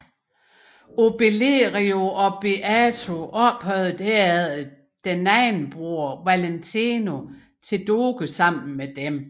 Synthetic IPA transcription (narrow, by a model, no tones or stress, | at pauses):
o̝b̥eleʁio̝ɒ̽b̥eʔæt͡sʰo̝ʔɒ̽b̥hœʊð̩ˠd̥æɐæðˠ | d̥enːæɪnb̥ʁoɐʋælent͡sʰino̝ | t͡sʰe̝ld̥oːɡ̥əsɑ̈m̰n̩med̥em